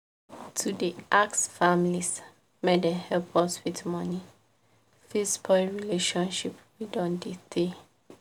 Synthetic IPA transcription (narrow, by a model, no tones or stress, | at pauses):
tʰudiʔaksfamilis | medɛhɛlpʰɔswitmɔni | fispʰɔlɹileʃɔ̃nʃipwidɔ̃ndite